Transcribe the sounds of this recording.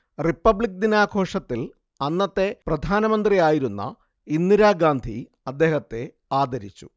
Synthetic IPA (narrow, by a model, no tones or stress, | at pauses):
ripːɐbɭik̚d̪inaːɡʰʱo̞ːʂɐt̪ːil | ɐnːɐt̪ːe̞prɐd̪ʱaːnɐmɐnd̪rijaːjiɾunːɐ̰ | inːiɾaːɡaːnd̪ʱḭ | ɐd̪ːe̞ːhɐt̪ːe̞ | aːd̪ɐɾit͡ɕːṵ